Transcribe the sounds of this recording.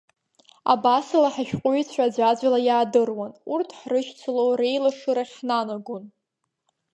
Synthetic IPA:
a̰basɨlaħaʃᶣqʷʼʊɥt͡sʷʰad͡ʒʷad͡ʒʷalajaːdɨrwanurtʰħrɨʃt͡sʷʰɨlowɾe̞jlaʂɨɾaχʲnanaɡʷʊn

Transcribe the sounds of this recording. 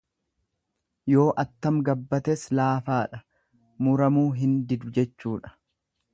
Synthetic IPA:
jo̞ːʔɐt̪ːɐmɡɐbːɐt̪ɛslaːfaːᶑɐ | mʊɾɐmuːɦɪnd̪ɪd̪ʊd͡ʒɛt͡ʃːuːᶑɐ̥

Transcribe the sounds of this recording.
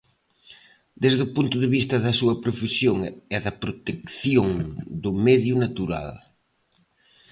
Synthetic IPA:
d̪ezðʊpunt̪ʊðeβist̪ɐðɐsuɐpɾofesjoŋɛðɐpɾot̪ekθjoŋd̪ʊmɛðjʊnat̪uɾa̰l

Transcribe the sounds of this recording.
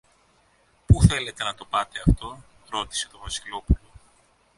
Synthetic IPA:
puθe̞le̞t̪e̞nɐt̪o̞pɐt̪e̞ɐft̪o̞ | ɾo̞t̪i̥se̞t̪o̞vɐsilo̞pulo̞

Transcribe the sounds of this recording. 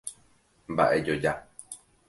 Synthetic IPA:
mba̰ʔe̞d͡ʒod͡ʒa

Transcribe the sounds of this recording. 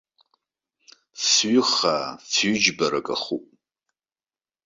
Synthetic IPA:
sɥʏχasɥʏd͡ʒbaɾakʼa̰χupʼ

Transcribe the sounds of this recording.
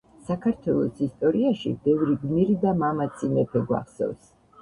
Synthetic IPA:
sakʰaɾt̪ʰwɛlˠɔsist̪ʼɔɾiaʃḭbɛvɾiɡniɾid̪amamat̪sʰinɛpʰɛɡwa̰χsɛ̰vs

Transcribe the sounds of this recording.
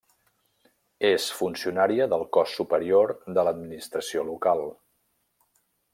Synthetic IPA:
esfunsiunaɾiəðəlˠkɔsːupəɾioɾðələd̪minist̪ɾəsiolukalˠ

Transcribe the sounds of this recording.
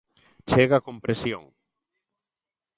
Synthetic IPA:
t͡ʃeɣakõmpɾesjo̰ŋ

